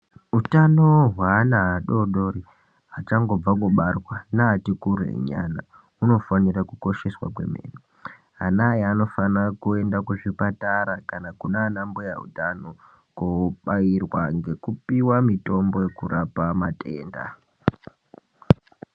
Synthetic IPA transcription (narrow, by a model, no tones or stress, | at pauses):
utano̞ɦwaːnaɦaɗo̞ɗo̞ɾi | ɦat͡ʃaŋɡo̞b͡vakuɓarwanaːtikurḛɲa̰na | uno̞fanirakuko̞ʃe̞swa̰k̬we̞̰mḛːni | ɦanajeano̞fanakue̞ndakuʐipataɾakanakunanamboja̰ṵtano | koɓairwaŋɡe̞kupiwamito̞mbo̞jekuɾapamate̞ːnda̰